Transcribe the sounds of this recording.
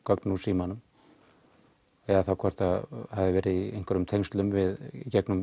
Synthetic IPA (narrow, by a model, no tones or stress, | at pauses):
kœknusiːmanʏm | ɛðaθawkʰɔr̥t̪ahavðɪvɛːɾɪðiejŋkʰɔɾʏmt̪ʰejŋst̪lʏmvɪðcɛknʏm